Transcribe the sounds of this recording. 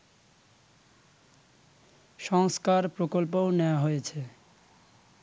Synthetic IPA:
ʃɔŋskaɾpɾokolpowneoaɦojet͡ɕʰe

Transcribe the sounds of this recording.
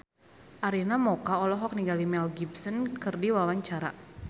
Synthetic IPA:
ʔaɾinamɔkaɔlɔɦɔk̚niɡalimɛlɡibsənkɨrdiwawaɲt͡ʃaɾa̰

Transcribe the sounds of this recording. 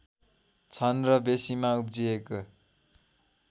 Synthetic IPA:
t͡sʰʌnrʌbesimaup̚d͡zieko

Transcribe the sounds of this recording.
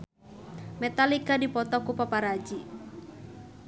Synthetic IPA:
mɛt̪alikadipɔt̪ɔkupapaɾad͡ʒi

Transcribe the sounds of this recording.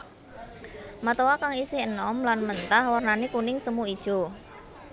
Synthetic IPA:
mat̪owakaŋisɪhənɔmlanmənt̪ahwarnanekunɪŋsəmuid̥ʒ̥o̤

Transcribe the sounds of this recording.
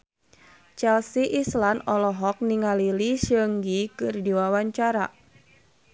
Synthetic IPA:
t͡ʃɛlsiʔislanɔlɔɦɔk̚niŋaliliʃəŋɡikɨrdiwawaɲt͡ʃaɾa

